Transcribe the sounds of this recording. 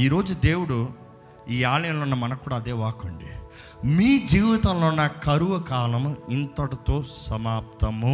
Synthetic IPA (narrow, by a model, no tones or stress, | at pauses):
iːɾo̞ːd͡ʒud̪e̞ːwuɽu | iːaːlɐjɐmloːnːɐmɐnɐkkːuːɽaːɐd̪eːʋaːkoɳɖḭ | miːd͡ʒiːʋit̪ɐmloːnːɐkɐɾuʋɐkaːlɐmint̪ɐʈut̪o̞ːsɐmaːp̚t̪ɐmu